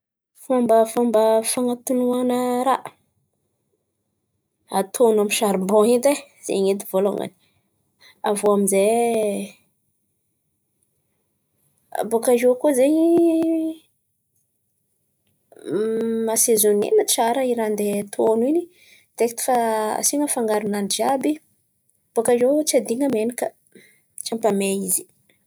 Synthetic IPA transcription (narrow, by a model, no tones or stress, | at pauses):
fambəfambəfaŋat̪unuanəɾa | at̪ʰonamiʃaɾibõid̪ez̥ḛɲet̪ivolo̰ŋa̰ni̥ | avoamize | bokaʒukuzeɲi | masezonḛmaʈ͡ʂaɾəiɾand̪et̪ʰonini | d̪̥ekt̪i̥faa̰siŋəfaŋɡaɾunanid͡ʒabi | b̥okaʒot͡sad̪iŋəmenikə | t͡ʃampameizi̥